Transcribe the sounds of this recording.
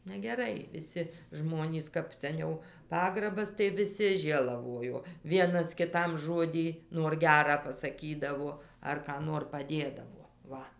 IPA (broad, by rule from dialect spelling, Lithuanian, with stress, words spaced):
nʲɛɡʲɛˈrɐɪ ʋʲɪˈsʲɪ ˈʒmoːnʲiːs kɐɪp sʲɛˈnʲɛʊ ˈpɑːɡrɐbɐs tɐɪ ʋʲɪˈsʲɪ ˈʒʲeːlˠɐʋoːjoː ˈʋʲiɛnɐs kʲɪˈtɐm ˈʒoːdʲiː nuɔr ˈɡʲæːrɑː pɐsɐˈkʲiːdɐʋoː ɐr kɑː ˈnoːr pɐˈdʲeːdɐʋoː ˈʋɐ